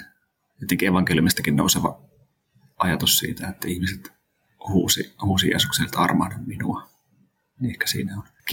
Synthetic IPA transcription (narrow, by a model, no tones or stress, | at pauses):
et̪ːeŋkieʋɑŋkelijumist̪ækinno̰useʋɑ̰ | ʔɑjɑt̪ussḭːt̪æet̪ːæihmiset̪ | huːsihuːsijḛːsukselt̪ɑ̰rmɑhnomminuɑ | niehkæ̥sḭːnæon | k